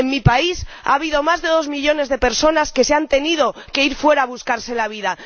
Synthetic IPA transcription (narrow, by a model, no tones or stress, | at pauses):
emmipaisa̰β̞iðo̞mazðe̞ðo̞zmiʎo̞ne̞zðe̞pe̞ɾso̞naske̞seant̪e̞nið̞o̞ke̞iɾfwe̞ɾaːβuskaɾse̞laβ̞iða